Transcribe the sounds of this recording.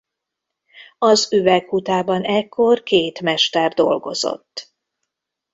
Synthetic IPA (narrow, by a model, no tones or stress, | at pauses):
ɒzyvɛkhut̪aːbɒnɛkʰːo̞rkeːt̪mɛʃt̪ɛrd̪o̞̰lɡo̞̰z̥o̞̰t̪ː